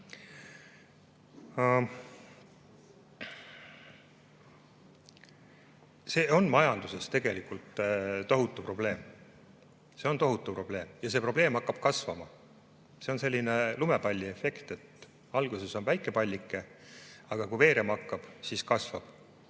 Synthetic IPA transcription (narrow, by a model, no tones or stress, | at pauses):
se̞ːo̞nmɑjɑnd̪use̞st̪e̞ɡ̥e̞likult̪t̪o̞ɦut̪ːˑupro̞ble̞ːm | se̞ont̪o̞ɦut̪ːˑupro̞b̥le̞ːmjɑse̞pro̞ble̞ːmɑkːˑɑb̥̚kɑsvɑmɑ | se̞onse̞lʲːine̞lumepɑlʲːie̞fe̞kt̪e̞t̪ | ɑlɡ̥use̞so̞nvæjkːˑe̞pɑlʲːikːˑeɑɡ̥ɑkuve̞ːɾemɑkˑːɑb̥siskɑsvɑ̰b̥